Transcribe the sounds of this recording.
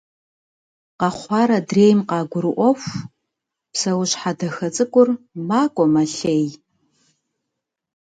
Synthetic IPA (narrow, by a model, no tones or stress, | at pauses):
qɑχʷɑːɾɐdreːjmqɑːɡʷʊɾɨʔʷɔfʷ | psɐwɕħadɐxɐt͡sʼɨkʷʼʊrmaːkʷʼɔmaɬej